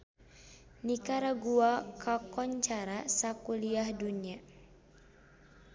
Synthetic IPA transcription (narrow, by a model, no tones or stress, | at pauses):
nikaɾaɡuakʰakɔɲt͡ʃaɾasakuliahdunia